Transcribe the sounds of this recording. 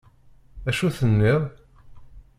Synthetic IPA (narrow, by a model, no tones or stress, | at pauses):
æʃuθənːɪðˤ